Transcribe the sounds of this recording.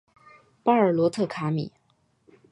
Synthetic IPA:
pa˥ə˞˨˩lwɔ˧˥t̪ʰɤ˥˩kʰa˧˥mḭ˨˩˦

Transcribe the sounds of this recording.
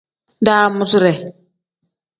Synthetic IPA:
daː˦mu˦su˦ɾe˨

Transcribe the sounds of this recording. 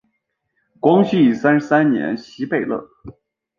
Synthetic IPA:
kwɑ˥ŋɕy˥˩˨sa˥nʂ̩˧sa˥nnjɛ̰˧˥nɕi˧˥pe˥˩ɪlɤ̰˥˩

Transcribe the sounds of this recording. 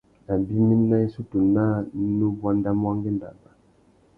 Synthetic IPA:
na˨bi˦ni˦na˦i˦su˦tu˨na˦nu˦bwa˦nda˦mwa˦ŋɡe˦nda̰˨ba˨

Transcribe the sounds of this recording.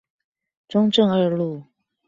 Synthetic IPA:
ʈ͡ʂʊ˥ŋʈ͡ʂɤ˥˧ŋə˞˥˧lu˥˩

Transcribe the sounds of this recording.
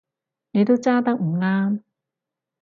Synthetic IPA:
ne˨˧jt̪o˥wt͡saː˥t̪ɐ˥k̚m̩˨˩ŋaː˥m

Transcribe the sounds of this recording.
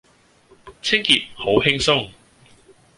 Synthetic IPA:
t͡sʰɪ˥ŋki˨t̚ho˨˥wɦɪ˥ŋsʊ˥ŋ

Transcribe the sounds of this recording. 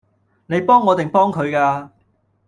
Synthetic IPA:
ne˨˧jpɔː˥ŋːɔː˨˧t̪ɪ˨ŋpɔː˥ŋkʰɵ˨˧ɥkaː˧

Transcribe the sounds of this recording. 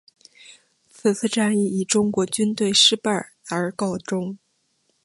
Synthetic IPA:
t͡s̩ʰ˨˩t͡sʰɹ̩˥˧ʈ͡ʂa˥˧ni˥˩i˨˩ʈ͡ʂʊ˥ŋkwɔ˧˥t͡ɕy˥nt̪we˥˧ɪʂɻ̩˥˧pa˥˩ | ə˞˧˥kɑ˥˩ʊʈ͡ʂʊ˥ŋ

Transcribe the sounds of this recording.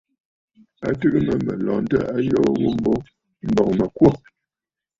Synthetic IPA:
a̰˨tɨ˦ʔɨ˦mə˦mə˨lɔː˨n̩˦tə̰˦˨a˦jɔ˦wo˦m̩˦bo˦ | m̩˦bɔ˨k̚mə˨kwɔ˦˨

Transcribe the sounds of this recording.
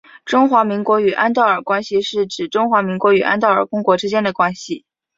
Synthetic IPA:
ʈ͡ʂʊ˥ŋxwa˧˥mi˧˥ŋkwɔ˧˥y˨˩ʔa˥nt̪ɑ˥˩ʊə˞˨˩kwa˥nɕi˨ʂɻ̩˥˩ʈ͡ʂɻ̩˨˩ʈ͡ʂʊ˥ŋxwa˧˥mi˧˥ŋkwɔ˧˥y˨˩ʔa̰˥nt̪̬ɑ˥˩ʊə̰˞˨˩kʊ˥ŋkwɔ˧˥ʈ͡ʂɻ̩˥t͡ɕjɛ˥nd̪ə˨kwa˥nɕi˨˩

